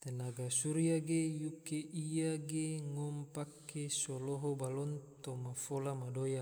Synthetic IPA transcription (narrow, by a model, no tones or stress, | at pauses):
t̪enaɡasuɾiaɡejukeʔijaɡeŋɔmpakːesɔloɦɔbalɔnt̪omafolamadoja